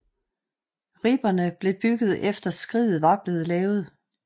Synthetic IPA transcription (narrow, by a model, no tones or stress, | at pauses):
ʁib̥ɐnəb̥le̝b̥yɡ̥ð̞̩ˠefd̥ɐsɡ̥ʁiːð̩ˠʋɑ̈b̥le̝ːð̞̩ˠlɛːʊð̞̩ˠ